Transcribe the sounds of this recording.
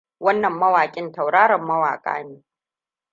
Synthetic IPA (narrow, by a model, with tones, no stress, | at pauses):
wɐ˦nːɐ˨mːɐ˦waː˨kʲʼɪ˦ntɐ˨wɽaː˦ɽɐ˨mːɐ˦wa̰ː˨kʼa̰ː˦neː˨